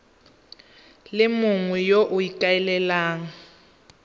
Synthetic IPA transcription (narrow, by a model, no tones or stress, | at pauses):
lɪmʊŋwɛjoʔʊikʼaɛlɛlaːŋa